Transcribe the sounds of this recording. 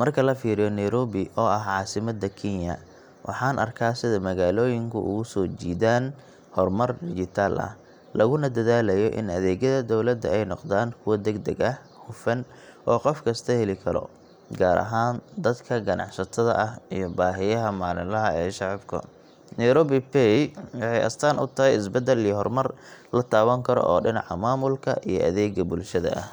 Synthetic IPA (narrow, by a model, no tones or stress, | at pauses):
mɐrkʰɐlɐfiːɾɪjɔnɛjɾɔːβɪʔɔːʔɐɦʕɑːsɪmɐd̪ɐkʰinjɐ̰ | wʔɑ̰ħɑːnʔɐ̰rkʰaːsɪðɐmɐɣaːlɔːjɪŋkʰʊ̰ʔʊ̰ɣʊsɔːt͡ʃiːðaːn | hɔrmɐrd̪ɪɡɪt̪ʰaːlʔɐ̰h | lɐɣʊnɐd̪ɐðaːlɐjɔʔɪ̰nɐðɛːɣjɐðɐd̪ɔwlɐd̪ːɐɛjnɔqd̪aːŋkʰʊwɐd̪ɛɡd̪ɐɡɐh | hʊfɐn | ʔɔːqɔfkʰɐst̪ʰɐhɛlɪkʰɐɾɔ̰ | ɡaːɾʔɐ̰ɦaːnd̪ɐd̪kʰɐɡɐnʔɑ̰ʕsɐt̪ʰɐðɐ̰ʔɐhijɞbaːɦɪjɐɦɐmaːlɪlɐɦɐɛːʃɑʕɑbkʰɐ̰ | nɾɔːbipɛjwɑħɑjʔɐ̰st̪ʰaːnʊ̰t̪ʰɐɦɛjɪsbɐd̪ɛlijɔɦɔrmɐrlɐt̪ʰaːwɐŋkʰɐɾɔ̰ʔɔːɖɪnɑ̰ʕɐmaːmʊlkʰɐʔijɞʔɐðɛːɡɐbʊlʃɐðɐ̰ʔɐh